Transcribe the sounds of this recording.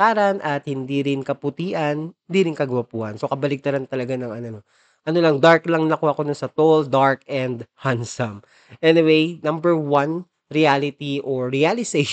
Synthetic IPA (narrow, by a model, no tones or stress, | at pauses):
aːɾɐnʔɐt̪̚hɪnd̪iɾɪnkɐpʊt̪iːʔɐnhɪnd̪iːɾɪnkɐɡɐwapuːhɐ̰nso̞kɐbɐlɪk̚t̪ɐɾant̪ɐlɐɡanɐŋɐnono | ʔɐnolɐŋd̪aɹklɐŋnɐkoʔɐko̞nʊnsɐt̪old̪aɹkɛnd̪hansɐm | ʔɛnɪwejnɐmbɛɹwɐn | ɾialɪt̪iʔoɹialɪsej